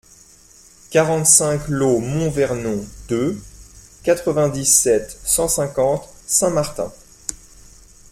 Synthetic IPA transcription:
kaʁɑ̃t̪sɛ̃klomɔ̃vɛʁnɔ̃d̪̥ø | kat̪χəvɛ̃d̪isɛt̪sɑ̃sɛ̃kɑ̃t̪ | sɛ̃maʁt̪ɛ̰̃

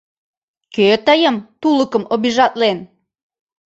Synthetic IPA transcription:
køt̪əjəmt̪uləkə̆mobiʒɑt̪len

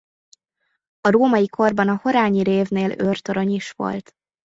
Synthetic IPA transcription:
ɒɾoːmɒjikʰo̞rbɒnɒho̞ɾaːɲiɾeːvneːlørt̪oɾɒɲiʃʋo̞̰lt̪

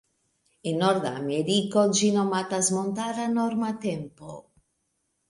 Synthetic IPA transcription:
inːɔɾd̪a̰meɾikod͡ʒinomat̪azmont̪aɾanɔɾmat̪ɛmpo

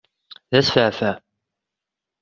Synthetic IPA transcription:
ðæsfəʕfæ

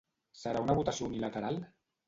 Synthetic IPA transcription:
səɾaunaβut̪asiounilat̪əɾal

